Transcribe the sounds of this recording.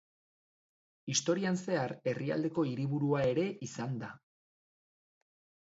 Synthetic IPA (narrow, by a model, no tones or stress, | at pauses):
ist̪o̞ɾianse̞aɾe̞ria̰ld̪e̞ko̞iɾiβuɾuae̞ɾe̞ʔisand̪a